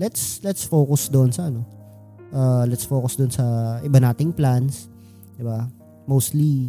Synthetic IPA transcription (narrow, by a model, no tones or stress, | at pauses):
lɛt̪slɛt̪sfokʊsd̪oʔnsɐʔɐno̞ | ʔaːlɛt̪sfoːkʊsd̪onsɐʔɪbanaːt̪ɪŋplans | d̪ɪba | mowst̪li